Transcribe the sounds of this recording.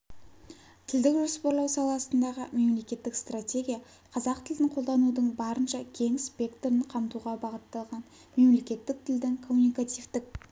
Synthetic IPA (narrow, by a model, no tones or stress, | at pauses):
t̪ʰɪld̪ɪkʒo̞spoɾlˠɑwsɑlˠɑsənd̪ɑʁəme̞mle̞kʲe̞t̪ːɪkst̪ratʲe̞ɡʲija | qʰɑzɑqt̪ʰɪld̪ɪɴqʰo̞lˠd̪ɑnud̪əɴbɑɾənʃɑkʲʰe̞ŋspʲe̞kt̪oɾɪɴqʰɑmt̪uʁɑbɑʁət̪ːɑlˠʁɑn | me̞mle̞kʲe̞t̪ːɪk̚t̪ʰɪld̪ɪŋkʰo̞mːunijkat̪ijvt̪ɪk̚